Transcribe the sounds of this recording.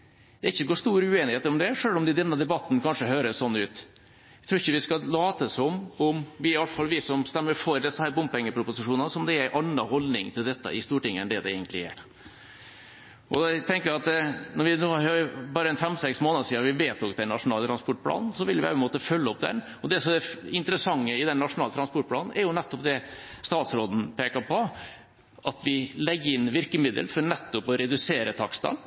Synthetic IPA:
d̪̥ɛæɾɪçːəɡoːʂt̪uːɾəʉːeːnɪheːt̪əɾɔmd̪ɛʂøːlɔmd̪ɪd̪ɛnːəd̪ɛbɑt̪ːn̩kʰɑnʂəɦøːɾəssɔnːʉːt̪ | æt̪ʰɾuːɾɪçːəʋɪskɑlɑːt̪əsɔmɔmʋɪɪɑlt̪əfɑlʋɪsɔmst̪ɛmːəɾfɔɾd̪ɛsəhæːɾbʊmpɛŋːəpʰɾʊpʊsɪʂuːnɑnsɔmd̪ɛæɾæɪʔɑnːɑhɔlnɪ̰ŋt̪ʰɪld̪ɛt̪ːə̰ʔɪst̪uːʈɪŋːəɛ̰nd̪ɛd̪ɛ̰ḛɡənt̪lɪæ̰ɾ | ʔɔd̪ɛt̪ʰɛŋkəɾjæɑt̪̚d̪nɔɾʋɪnoːhøbɑːɾəɛnfɛmːsɛksmoːnɑd̪siːɑʋɪʋeːt̪ɔkd̪ɛnːɑʂʊnɑːlt̪ɾɑnspɔʈ̚ːpʰlɑ̰ːnn̩sɔʋɪlʋɪɛpənmoːt̪əfœlːəɔp̚d̪ɛ̰n | ɔd̪ɛsɔmæɪnt̪əɾəsɑŋːəɪd̪ɛnːɑʂʊnɑːlt̪ʰɾɑspɔʈ̚pʰlɑːnn̩ɛɾjʊnɛt̪ːɔpd̪ɛst̪ɑːt̪sɾoːd̪n̩pʰeːkɑɾpʰɔ | ʔɑt̪ʋɪlɛɡːəɾɪnːʋɪɾkəmɪd̪ə̰lfɔɾnɛt̪ːɔpɔɾɛd̪ʉseːɾət̪ʰɑkst̪ɑ̰n

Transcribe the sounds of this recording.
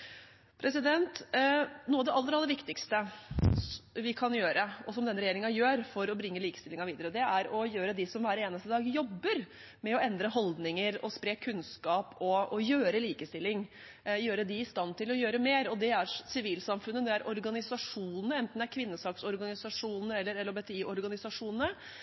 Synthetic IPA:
pʰɾʔɛsɪd̪ɛnt̪nuːəɑʋd̪ɛʔɑlːəɾɑlːəɾʋɪkt̪ɪkst̪ə | ʋɪkʰɑnjøːɾəɔsɔmd̪ɛnɾɛjeːɾɪŋɑjøːɾfɔɾɔbɾɪŋːəliːkə̥st̪ɪlɪŋɑɾʋiːd̪əɾəd̪ɛæɾɔjøːɾəd̪ɪsɔmʋæːɾeːnəst̪əd̪ɑːɡjɔbːəɾ | mɛɔɛnd̪ɾəɦɔld̪nɪŋəɾɔ̰spɾeːkʰːʉnskɑːpʰɔɔjøːɾəliːkəst̪ɪlːɪŋ | jøːɾəd̪ɪɪst̪ɑnt̪ʰɪlɔjøːɾəmeːɾɔd̪ɛæɾsɪʋiːlsɑmfʉnːəd̪ɛæɾʔɔɾɡɑnɪsɑʂuːnn̩əɛnt̪n̩æɾkʰʋɪnːəsɑːksɔɾɡɑnɪsɑʂuːnnəɛlːəɾɛlːəɾbɛt̪ɛiːʔɔɾɡɑnɪsɑʂuːnənə

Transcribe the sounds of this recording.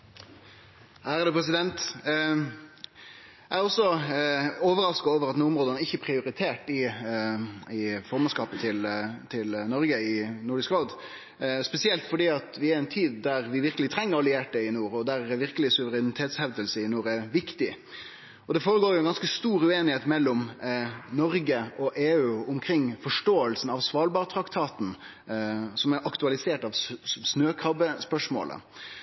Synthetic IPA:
hæːɾəd̪ɛːpʰɾɛs̬ɪd̪ɛnt̪ | ææɔsːɔ | oːʋəɾɑskoːʋəɾɑt̪nuːʊmɾoːd̪ənæɪçːəpʰɾɪʊɾɪt̪ʰeːʈɪ | ɪfɔɾmɛnskɑːpət̪ʰɪlt̪ʰɪlnɔɾɡəɪnuːɖɪskɾoːd̪ | spɛsɪɛlt̪fɔɖiːɑt̪ʋɪæɾɛɪnt̪ʰiːd̪æɾʋɪʋɪɾkəlɪt̪ʰɾɛŋːəɾɑlɪeːʈəɪnuːɾɔd̪æɾʋɪɾkəlɪsʉʋəɾɛnɪt̪ʰeːt̪shɛʋd̪əlsəɪnuːɾæʋɪkt̪ɪ | ɔd̪ɛfoːɾəɡoːɾjʊɛɡɑnskəst̪uːɾʉeːnɪheːt̪mɛlːɔm | nɔɾɡəɔʔeːʉːʊmkʰɾɪŋːfɔʂʈoːəlsn̩ɑʋsʋɑːlbɑːɾt̪ʰɾɑkt̪ʰɑːt̪n̩ | sɔmɛɾʔɑkt̪ʉɑlɪseːʈɑʋsnøːkʰɾɑbəspœʂmo̰ːlə̰

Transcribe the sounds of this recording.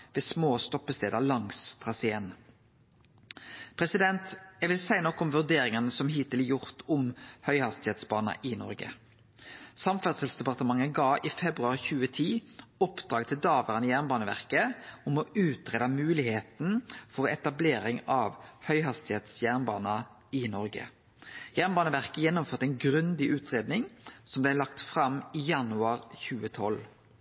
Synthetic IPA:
ʋeːsmoːst̪ɔpːəst̪eːd̪ɑlɑŋsfʁɑːsæɛn | pʰʁɛsɪd̪ɛnt̪ɛʋɪlsæɪnɔkːɔmʋʉʁd̪eːɾɪŋɑnəsɔmɦiːt̪ɪljʊʁt̪ʰʊmhœʏhɑst̪ɪheːt̪sbɑːnɑ̰ʔɪnɔ̰ʁɡə̰ | sɑmfæʁsəlsd̪ɛpɑʁt̪əmɑŋːəɡɑːɪfɛbʁʉɑːʁçʉːət̪ʰiːɔpd̪̥ʁɑːɡt̪ʰɪld̪ɑːʋəʁənəjæʁnbɑːnəʋæ̰ʁkəɔmɔʉːt̪ʁeːd̪ɑmʉːlɪheːt̪n̩fɔʁɛt̪ɑbleːɾɪŋɑːʋhœʏhɑst̪ɪheːt̪sjæʁnbɑ̰ːnɑ | ɪnɔʁɡə̰ | jæʁnbɑːnəʋæʁkəjɛnːɔmføːʁt̪ɛɪnɡʁʉnd̪ɪʔʉːt̪ʰʁeːd̪nɪŋsɔmblæɪlɑkt̪fʁɑmijɑnʉɑːʁçʉːət̪ʰɔl

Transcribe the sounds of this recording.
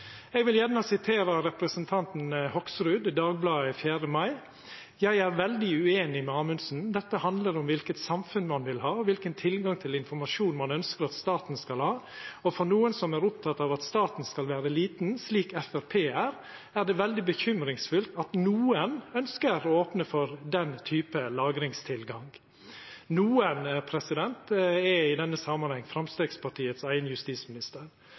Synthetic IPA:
ɛɡʋɪljænəsɪt̪ʰeːɾɑɾɛpɾəsənt̪ʰɑnt̪n̩hɔksɾʉːd̪d̪ɑːɡ̚blɑːəfjæːɾəmɑɪ | jæɪæɾʋɛld̪ɪʉeːnɪmɛɑːmʉnsn̩d̪ɛt̪ːəhɑnd̪ləɾɔmʋɪlkət̪sɑmfʉnmɑnʋɪlhɑːɔʋɪlkənt̪ʰɪlɡɑŋt̪ʰɪlɪnfɔɾmɑʂuːnmɑnœnskəɾɑt̪st̪ɑːt̪n̩skɑlhɑːɔfɔɾnuːənsɔmæɾʊpt̪ʰɑt̪ːɑʋɑt̪st̪ɑːt̪n̩skɑlʋæːɾəliːt̪n̩sliːkɛfæɾpʰeːæɾ | æɾɖ̪ɛʋɛld̪ɪbəçʏmɾɪŋsfʉlt̪ɑt̪nuːənœnskəɾɔoːpnəfɔɾd̪ɛnt̪ʰyːpəlɑːɡɾɪŋst̪ʰɪlɡɑŋ | nuːənpʰɾɛsɪd̪ɛnt̪ɛɪd̪ɛnːəsɑmːɑnhɛŋːfɾɑmst̪eːɡspʰɑʈʰiːət̪sæɪənəjʉst̪iːsmɪnɪst̪əɾ

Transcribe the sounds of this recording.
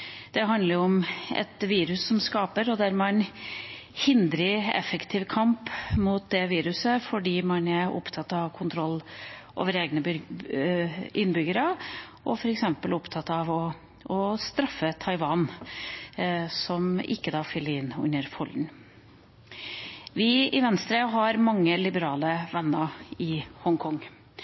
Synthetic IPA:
d̪̥ɛɦɑnd̪əɾɔmɛ̰t̪ʋiːɾʉsːɔmskɑːpəɾɔd̪æɾmɛɛn | hɪnd̪ɾəɛ̰fəkt̪ʰiːʋkʰɑmpmuːt̪̚d̪ɛʋiːɾʉsəfɔɖiːmɑnæʔɔ̰pt̪ʰɑt̪ːɑʋkʰʊnt̪ʰɾɔlːʔo̰ːʋəɾeːɡnə | ʔɪnːbʏɡəɾə | ʔɔfɔɾɛksɛmpəlʊpt̪ʰɑt̪ːɑʋɔ | ɔst̪ɾɑfːət̪ʰɑɪʋɑːn | sɔmɪ̰kːəd̪ɑːfʏlːəɪnːʉ̰nəɾfɔln̩ | ʋɪɪʋɛnst̪ɾeɦɑɾmɑŋːəlɪbəɾɑːləʋɛnːəɪhɔŋkʰɔŋː

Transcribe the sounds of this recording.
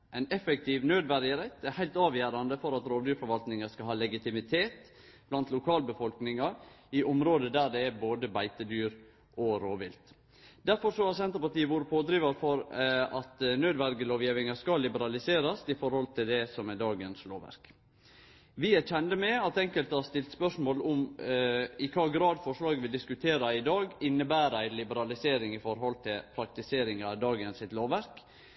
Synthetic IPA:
ɛɪnɛfɛk̚t̪ʰɪʋnøːd̪ʋæɾɪəɾɛt̪æɾhæɪlt̪ɑːʋjæːɾɑnd̪əfɔɾɑt̪ɾoːʋd̪yːɾfɔɾʋɑlt̪nɪŋɑskɑɦɑːlɛɡɪt̪ɪmɪt̪ʰeːt̪b̥lɑnt̪lʊkʰɑːlbəfɔlknɪŋɑɾɪʔɔmɾoːd̪əd̪æɖɛæboːd̪əbæɪt̪əd̪yːɾ | ʔɔɾoːʋɪ̰lt̪ | d̪æɾfɔɾʂɔhɑsɛnt̪əɾpɑɾʈ̪iːəʋuːɾəpʰoːd̪ɾiːʋɑɾfɔɾɑt̪nøːd̪ʋæɾɡəloːʋjiːʋɪŋɑskɑlɪbəɾɑlɪseːɾɑsɪfɔɾhɔlt̪ʰɪld̪ɛsɔmæd̪ɑːɡənslo̰ːʋæ̰ɾk | ʋɪæt͡ʃɛnd̪əmɛɑt̪ɛŋkəlt̪əhɑɾʂt̪ɪlt̪spœʂmoːlʊm | ɪkʰɑːɡɾɑːd̪fɔʂlɑːɡəʋɪld̪ɪskʉt̪ʰeːɾɑɪd̪ɑːɡɪnːəbæːɾæɪlɪbəɾɑlɪseːɾɪŋɪfɔɾɦɔlt̪ʰɪlpʰɾɑk̚t̪ɪseːɾɪŋɑd̪ɑːɡənsɪt̪loːʋæɾk

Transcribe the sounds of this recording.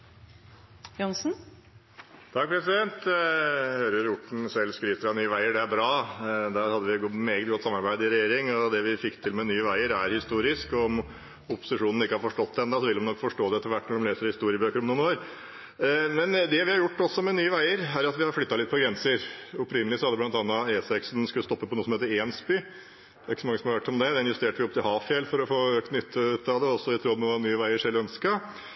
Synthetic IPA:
jɔnsn̩ | t̪ʰɑk̚ːpʰɾɛsɪd̪ɛnt̪ | høːɾəɾʊʈɳ̩sɛlskɾiːt̪əɾɑnyːəʋæɪəɖɛæɾbɾɑːd̪æːɾhɑd̪ːəʋɪɡmeːɡət̪ɡɔt̪ːsɑmːɑɾbæɪd̪ɪɾɛjeːɾɪŋɔd̪ɛʋɪfɪkːt̪ʰɪlmɛnyːəʋæɪəɾæɾhɪst̪uːɾɪskɔɔm | ʊpːʊ̥sɪʂuːnn̩ɪkːəhɑɾfɔʂʈɔt̪ːd̪ɛnd̪ɑsɔʋɪld̪ɔmnɔkːfɔʂʈoːd̪ɛɛt̪ːəɾʋæʈːnɔɖɔmleːsəɾhɪst̪uːɾɪəbøːkəɾɔmnuːnoːɾ | mɛnd̪ɛʋɪhɑɾjʊʈːɔsːɔmɛnyːəʋæɪəɾæɾɑt̪ʋɪhɑɾflʏt̪ːɑlɪt̪̚ːpʰɔɡɾɛnsəɾʊpɾɪnəlɪsɔhɑd̪ːəblɑnt̪ɑnːɑeːsɛksnskʉlːəst̪ɔpːəpʰɔnuːəsɔmheːt̪ːəɾeːnsbʏ | d̪ɛæɾɪkːəsɔmɑŋːəsɔmhɑɾʋæʈːɔmd̪ɛd̪ɛɪnjʉst̪eːʈəʋɪɔpt̪ʰɪlhɑːʋfjɛlːfɔɾɔfoːøːknʏt̪ʰːət̪ʰːɑd̪ɛɔsːɔɪt̪ʰɾuːmɛʋɑnyːəʋæɪəʂɛlːəœnskɑ

